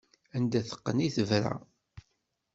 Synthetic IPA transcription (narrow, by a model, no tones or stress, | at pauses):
ænd̪æθə̥qːəniθəvɾæ̰